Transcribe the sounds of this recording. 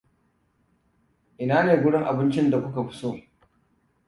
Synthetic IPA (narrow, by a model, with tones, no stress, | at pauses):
ʔɪ˨naː˦neː˨ɡʷʊ˦ɽɪ˦ŋʔa˨bɪ˦nt͡ʃɪ˦nda˨kʷʊ˦ka˨ɸɪ̥˦soː˦